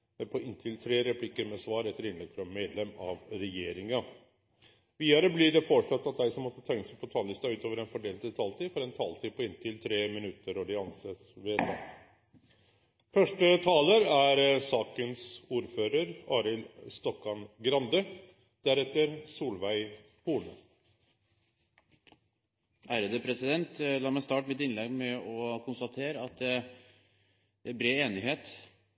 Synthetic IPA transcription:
pʰɔɪnt̪ʰɪlt̪ʰɾeːɾɛpʰlɪkːəɾmɛsʋɑːɾɛt̪ːəɾɪnlɛk̪fɾɑmeːd̪lɛmɑʋɾɛjeːɾɪŋɑ | ʋiːəɾəblɪɖɛfoːʂlɔt̪ːɑt̪̚d̪æɪsɔmːɔt̪ːət̪ʰɛŋksɛpʰɔt̪ʰɑːlɪst̪ɑʉːt̪oːʋəɾɛnfɔɖeːlɛt̪ʰɑːlt̪ʰiːfɔɾɛnt̪ʰɑːlt̪ʰiːpʰɔɪnt̪ʰɪlt̪ʰɾeːmɪnʉt̪ːəɾɔɖ̪ɪɑnsəsʋeːt̪ɑ̰t̪ | fœʂʈət̪ʰɑːləɾæɾsɑːkənsuːɾføːɾəɾɑːɾɪlst̪ɔkːɔɳɡɾɑnd̪ə | d̪̥æɾɛt̪ːəɾsuːlʋæɪ | huːɳə | ʔæːɾəd̪əpʰɾɛsɪd̪ɛnt̪lɑːɾmæɪst̪ɑːʈmɪt̪ɪnlɛɡmɛɔkʰʊnst̪ɑt̪ʰeːɾəɑt̪̚d̪ɛ | æbɾeːeːnɪɦeːt̪

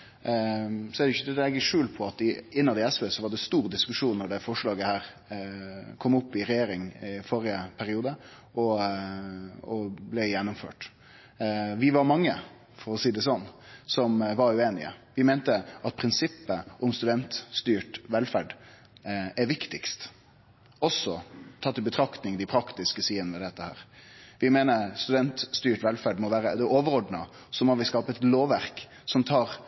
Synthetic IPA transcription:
sɔɛɖ̪ɛɪçːəɛɛɡəʂʉːlpʰɔɑt̪ɪɪnːɑd̪ɪɛsʋɛːsɔʋɑɖɛst̪uːɾd̪ɪskʉʂuːnːɔɖɛfɔʂlɑːɡəhæːɾ | kʰɔmːʊpːɪɾɛjeːɾɪŋɪfɔːɾɪəpʰæɾɪuːd̪ə | ʔɔ | ɔblɛjɛnːʊmfø̰ːʈ | ʋɪʋɑɾmɑŋːə̰ | fɔɾɔsiːd̪ɛsɔnːsɔmʋɑɾʉeːnɪ̰ə̰ʋɪmɛːnt̪əʔɑt̪̚pʰɾɪnsɪpːəʔɔmst̪ʉd̪ɛnt̪st̪yːʈʋɛlfæɖ | ɛɾʋɪkt̪ɪkst̪ | ɔsːɔt̪ʰɑt̪ːɪlbət̪ʰɾɑkt̪nɪŋd̪ɪpʰɾɑkt̪ɪskəsiːənəmɛd̪ɛt̪ːəhæ̰ːɾʋɪmeːnəst̪ʉd̪ɛnt̪st̪yːʈʋɛlfæɖmɔʋæːɾəd̪ɛoːʋəɾɔɖnɑ | sɔmɔʋɪskɑːpəɛt̪loːʋæɾk | sɔmt̪ʰɑːɾ

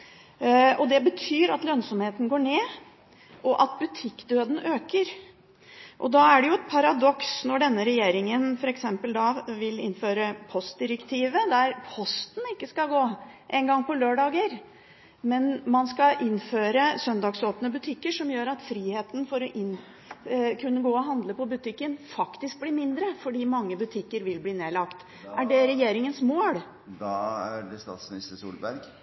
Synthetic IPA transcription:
ɔd̪ɛbət̪ʰyːɾɑt̪lœnsɔmheːt̪n̩ɡoːɳeː | ʔɔʔɑt̪bʉt̪ʰɪkːd̪øːd̪n̩ʔøːkəɾ | ʔɔd̪ɑæɖɛjʊɛt̪̚pʰɑɾɑd̪ɔksnɔɖɛnːəɾɛjeːɾɪŋənfɔɾɛksɛmpəld̪ɑʋɪlɪ̰nføːɾəpʰɔst̪̚d̪ɪɾəkt̪ʰiːʋəd̪æɾpʰɔst̪n̩ɪkːəskɑɡoːʔɛŋɡɑŋːpɔløːɖɑːɡəɾ | mɛnmɑnskɑʔɪnːføːɾəsœnd̪ɑːɡsoːpnəbʉt̪ʰɪkːəʂɔmjøːɾɑt̪fɾiːheːt̪ən̩fɔɾɔʔɪn | kʰʉnːəɡoːɔɦɑnd̪ləpɔbʉt̪ʰɪkːənfɑkt̪ɪsk̚blɪːmɪnd̪ɾəfɔɖiːmɑŋːəbʉt̪ʰɪkːəɾʋɪlbliːneːlɑkt̪ | ʔæɖɛɾɛjeːɾɪŋənsmoːɽ | d̪ɑæɖɛst̪ɑ̰ːt̪smɪnɪst̪əsṵːlbæɾɡ

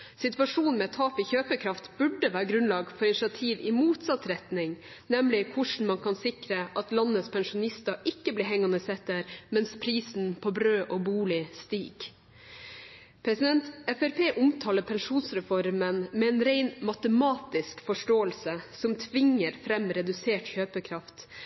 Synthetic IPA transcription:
sɪt̪ʋɑʂuːnn̩mɛt̪ʰːɑːfɪçøːpəkʰɾɑft̪b̥ʉɖəʋæːɾəɡɾʉnlɑːɡfɔɾɪnɪʂɑt̪ʰiːʋɪmuːt̪sɑt̪ɾɛt̪nɪŋ | nɛmlɪkʰʊʂn̩mɑnkʰɑnsɪkɾəʔɑt̪lɑnːət̪spʰɛnʂʊnɪst̪ɑʔɪkːəbliːɦɛŋːɑnəsɛt̪əɾmɛnspʰɾiːsn̩pʰɔbɾøːʔɔːbuːlɪst̪ḭːɡ̥ | pʰɾɛsɪd̪ɛnt̪ɛfɛɾpʰeːʔʊmt̪ʰɑːləɾpʰɛnʂuːnsɾɛfɔɾmənmɛɛːnɾeɪnmɑt̪əmɑːt̪ɪskfɔʂʈoːəlsəsɔmt̪ʰʋɪŋːəɾfɾɛmɾɛd̪ʉseːʈçøːpəkʰɾɑft̪

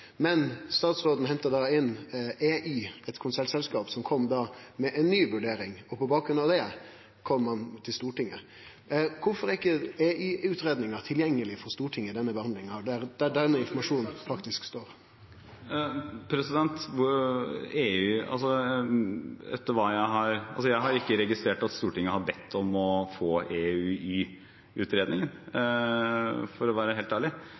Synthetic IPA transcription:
mɛnst̪ɑːt̪sɾoːd̪n̩hɛnt̪əd̪ɑɪnʔeːʔyːɛt̪kʰʊnsɛlsɛlskɑːpsɔmkʰɔmːd̪ɑːmɛʔɛnnːyːʋʉɖeːɾɪŋɔpɔbɑːk̚ɾʉnɑʋd̪ɛ | kʰɔmːɑnt̪ʰɪlst̪uːʈɪŋːə̰ | kʰʊɾfɔɾɪkːəeːʔyːʉːt̪ɾeːd̪nɪŋɑɾt̪ʰɪljɛŋːəlɪfɔɾst̪uːʈʰɪŋːəd̪ɛnːəbəhɑnd̪lɪŋɑɖæɾd̪̥æɖɛnːəɪnfɔmɑʂuːn̩fɑkt̪ɪskst̪oːɾ | pʰɾɛsɪd̪ɛnt̪ʋʊ | eʉːɑ̰lsɔ | ɛ̰t̪ːəɾʋɑːjæɪɦɑɾɑ̰lsɔjæɪɦɑɾɪkːəɾɛɡɪst̪ɾeːʈɑt̪st̪uːʈɪŋːəhɑɾbɛt̪ʰːɔmɔfoːeːʉːiː | ʉːt̪ɾeːd̪nɪŋən | fɔɾɔʋæːɾəɦeːlt̪æːɭɪ

